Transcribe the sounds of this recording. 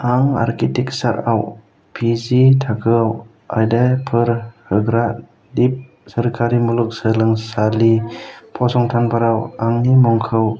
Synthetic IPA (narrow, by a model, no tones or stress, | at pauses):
aŋa̰ɾkitik̚saɾaw | pʰizitʰakʰɯw | ajdapʰɯɾhɯɡɾa | dip̚ | səɾkʰaɾimuluk̚səlɯŋsalipʰɔsɔŋtʰanpʰaɾawaŋnimɔŋkʰɯw